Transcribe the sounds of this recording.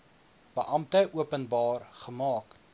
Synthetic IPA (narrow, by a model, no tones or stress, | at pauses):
b̥əʔɐm̚təʔuəpənbɑːrχəmɑːk